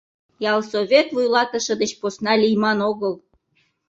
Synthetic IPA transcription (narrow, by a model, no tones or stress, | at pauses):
jɑlˠsoβʲet̪vujlɑt̪əʃə̆d̪ət͡ɕposnɑlʲijmɑnoɣəl